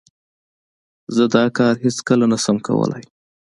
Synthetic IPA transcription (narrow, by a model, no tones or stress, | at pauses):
zəd̪ɑkɑɾhɪskəlanasamkʰa̰wə̰la̰j